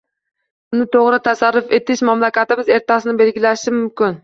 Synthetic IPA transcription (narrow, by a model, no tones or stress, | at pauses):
ʊnɪt̪ʰoʁɾɪt̪ʰasaɾːʊfet̪ɪʃmamlakʲat̪ɪmɪze̞ɾt̪ʰasɪnɪbe̞lɡʲɪlaʃɪmʊmkʲɪn